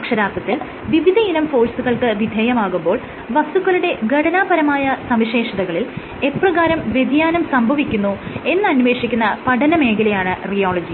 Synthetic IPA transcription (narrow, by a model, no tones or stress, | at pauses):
kʂɐɾaːt̪rɐt̪ːil | ʋiʋid̪ʱɐilɐmfo̞ːsuɣɐɭkɨʋid̪ʱeːjɐmaːɣumbo̞ːɭ | ʋɐsuɣɐluɽe̞ɡʱɐʈɐnaːbɐɾɐmaːjɐsɐmʋiɕe̞ːʂɐðɐɣɐɭil | e̞prɐɣaːɾɐmʋje̞d̪jaːnɐmsɐmbʱɐʋikʲːunːue̞nːɨɐnʋe̞ːʂikʲːunːɐpɐʈɐnɐme̞ːɡilɐjaːɳɨrijoːɭɐd͡ʑi